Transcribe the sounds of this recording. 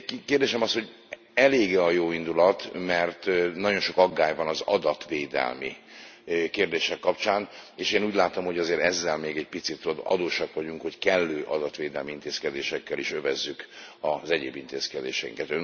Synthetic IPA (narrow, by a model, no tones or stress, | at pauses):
keːrd̪eːʃɛmɒsho̞ɟ | ɛleːɡɛɒjoːind̪ulɒt̪mɛrt̪nɒɟo̞nʃo̞kɒɡːaːjvɒnɒzɒ̰d̪ɒt̪ʋeːd̪ɛ̰lmi | keːrd̪eːʃɛkːɒpt͡ʃaːneːʃeːnuːɟʲlaːt̪o̞mho̞ɟɒzeːɾɛzːɛlmeːɡɛɟ̚pit̪sit̪oɒ̰d̪oːʃɒkʋɒɟuŋkho̞ckɛlːøːʔɒd̪ɒt̪ʋeːd̪ɛlmiint̪eːskɛd̪eːʃɛkːɛliʃø̞vɛzːyk | ɒzɛɟḛːbint̪ḛːskɛd̪ḛːʃɛiŋkɛt̪øn